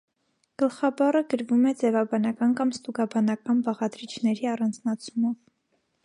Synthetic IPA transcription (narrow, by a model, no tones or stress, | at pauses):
ɡ̥əlχɑbɑrəɡəɾvumɛd͡zɛvɑbɑnɑkɑnkɑmst̪uɡɑbɑnɑkɑnbɑʁɑd̪ɾit͡ʃʰnɛɾiɑrɑnd͡znɑt͡sʰumɔv